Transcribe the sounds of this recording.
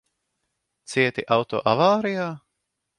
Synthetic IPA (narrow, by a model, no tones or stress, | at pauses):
t̪siɛt̪iʔawt̪o̰ːʔavaːɾijaː